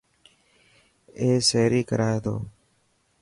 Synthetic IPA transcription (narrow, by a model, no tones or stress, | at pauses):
eːseːɾiːkə̰ɾaːet̪o̰ː